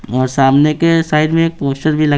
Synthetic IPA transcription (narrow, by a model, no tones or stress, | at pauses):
ɔːɾsaːmnekesaːɪʈmẽeːk̚poːsʈəɾbʱilɐ